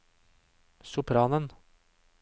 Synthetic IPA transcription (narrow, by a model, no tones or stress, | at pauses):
sʊpʰɾɑːnən